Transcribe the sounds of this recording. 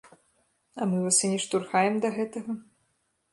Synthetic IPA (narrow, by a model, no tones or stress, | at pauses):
ɐmɨvasʲɨnʲɛʂt̪urxajɛmd̪ɐɣɛt̪ɐɣɐ